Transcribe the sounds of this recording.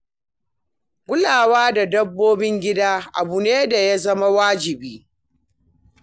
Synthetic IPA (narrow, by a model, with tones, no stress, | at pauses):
ɡʷʊ˦laː˨waː˦da˨dɐ˦bːoː˦bɪ˦ŋɡʲɪ˦daː˦ʔa̰˨bu˨neː˦da˨ja˦zɐ˦ma˦waː˦d͡ʒɪ˨biː˦